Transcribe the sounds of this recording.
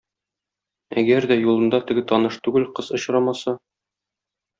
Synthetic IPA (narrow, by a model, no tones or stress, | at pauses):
æ̰ɡæɾd̪æjulˠɤ̆nd̪ɑt̪ɘ̆ɡɘt̪ɒnɤʃt̪ʉɡɘlqɤzŏɕɾɑmɑsɑ